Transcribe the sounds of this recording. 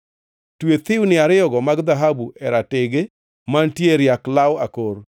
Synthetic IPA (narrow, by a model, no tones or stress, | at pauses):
twet̪ɪwnɪaɾɪɔɡɔmaɡd̪aɦabuʔɛɾatɪɡe | mantjeɾjaklawakoɾ